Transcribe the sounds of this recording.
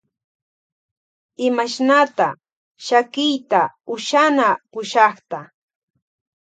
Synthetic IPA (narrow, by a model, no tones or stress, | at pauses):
ɪmaʃnat̪a | ʃakɪjt̪aʊʃanapʊʃɑχt̪a